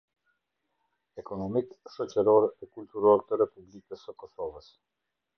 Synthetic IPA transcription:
ɛkɔnɔmikʃɔt͡ʃɛɾɔɾɛkult̪uɾɔɾt̪əɾɛpublikəsəkɔsɔvəs

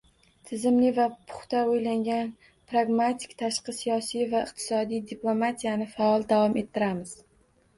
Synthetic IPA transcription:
t̪ʰɪzɪmlɪvapʰʊ̥χt̪aojlaŋɡʲan | pɾaɡmat̪ʰɪ̥kʲt̪ʰaʃqɨsijɒsijvaɪqt̪ʰɪ̥sɒd̪ijd̪iplˠo̞mat̪ʰijanɪfaɒlˠd̪avɒmʔe̞t̪ʰːɪɾamɪz̥

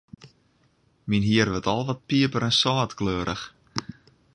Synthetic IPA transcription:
minɦiərʋɔtʰɔlˠʋɔt̚piəpəɾɛnsɑːtkløːɾʔəx

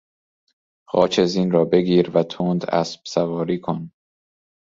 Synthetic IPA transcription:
xɒːt͡ʃʰeziːnrɒːbe̞ɡiːɾvæt̪ʰond̪æ̰sb̥sævɒːɾiːkʰon

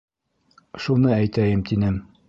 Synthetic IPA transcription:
ʃunɤæjt̪æjɘmt̪inɘm

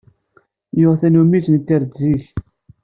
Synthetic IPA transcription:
jʊʁθænumit͡ʃnt̪ːiɾd͡zːiç

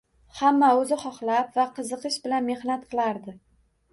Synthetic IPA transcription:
hamːaɵzɪχɒχlˠapvaqɨzɨqɨʃbɪlanme̞hnat̪̚qʰɨlˠaɾd̪ɪ

